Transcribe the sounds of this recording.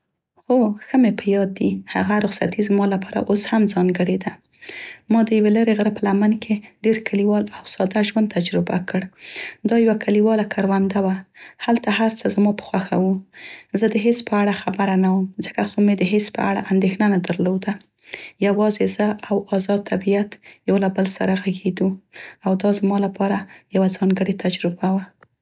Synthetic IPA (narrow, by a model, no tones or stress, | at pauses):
xoxəmepəjɑd̪̚ːiha̰ɣaɾʊxsat̪izmɑlapʰɑɾa̰ʔoshamzɑŋɡəɽed̪a | mɑd̪əjaweləɾeɣəɾəpəlamankʰeɖeɾkaliwɑlawsɑd̪aʒwand̪̚t̪ʰːad͡ʒɾɪba̰kəɽd̪ɑjawakʰaliwɑlakʰaɾwand̪awahalt̪aɦaɾt͡səzmɑpə̥xwaxa̰wuzəd̪əɦespəaɽaxabaɾanawəmzəkaxomed̪əɦespə̰a̰ɽa̰ʔand̪exnanad̪əɾlod̪a | jawɑzezəawɑzɑd̪̚t̪ʰabijat̪jawlabəlsa̰ɾaɣaɡed̪uawd̪ɑzmɑlapɑɾajawazɑŋɡəɽet̪ad͡ʒɾɪbawa